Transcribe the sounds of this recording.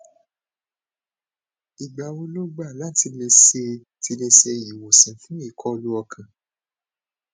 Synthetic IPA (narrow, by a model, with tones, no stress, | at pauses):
i˨ɡ͡ba˨wo˧lo˦ɡ͡ba˦˨la˨˦ti˧le˧se˧ | ti˧le˧se˧˨i˨wo˨sĩ˨˦fũ˨˦i˦˨kʰɔ˦o˧lu˦ɔ˧kʰã˨